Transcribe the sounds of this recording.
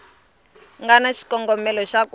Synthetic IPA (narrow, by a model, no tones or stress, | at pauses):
ŋɡanaʃi̥kɔŋɡɔmɛlɔʃak